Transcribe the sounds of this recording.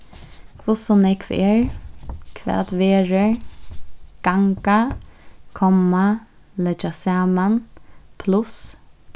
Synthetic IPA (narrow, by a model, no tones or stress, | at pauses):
kʰvʊsɔnɛkʰvɛ̰ɹkʰvɛ̰ːt̪veːɹə | ɡ̥aŋka | kʰɔma | lɛd͡ʒasaːmanpʰlʊs